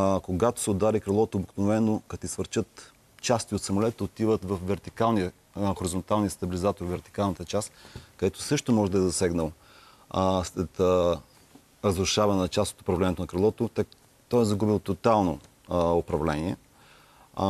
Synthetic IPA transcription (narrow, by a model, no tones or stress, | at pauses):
koɡat̪o̥sɛod̪aɾikɾɛlˠɔt̪oobiknovɛnokɐt̪isvəɾt͡ʃət̪ | t͡ʃast̪iot̪sɐmolɛt̪əot̪ivət̪vəfvɛɾt̪ikalˠnijə | xoɾizont̪alˠniəst̪ɐbilizat̪oɾvɛɾt̪i̥kalˠnət̪ət͡ʃast̪kɐd̪ɛt̪o̥sɤʃt̪omɔʒɛd̪ɐɛzɐsɛɡnəlˠ | slɛt̪ | ɾəzɾʊʃavɐnɛnɐt͡ʃast̪o̥t̪ʊ̥pɾɐvlɛniɛt̪onɐkɾɛlˠɔt̪ot̪ | t̪ɔjɛzɐɡubilˠt̪ot̪alˠno | opɾɐvlɛniɛ